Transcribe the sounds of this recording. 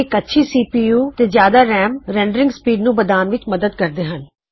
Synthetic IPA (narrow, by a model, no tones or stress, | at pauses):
ɪkətːʃʰiːsiːpiːjuːt̪eːzjaːd̪aːɾɛːmɾɛ̃ːɳɖəɾɪ̃ŋɡspiːɖnũːbəd̪aːnʋɪt͡ʃməd̪əd̪kəɾd̪eːɦən